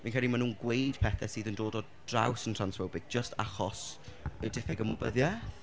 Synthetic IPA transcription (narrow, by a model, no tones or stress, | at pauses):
vinkʰɛlimanuːnɡwejd̥pʰɛθɛsiːðəndoːdɔ | d̥rawsəntʰr̥ansvəbɪɡ̚d͡ʒəstʰa̰χɔsədɪθɛɡəmɔbəðjɛ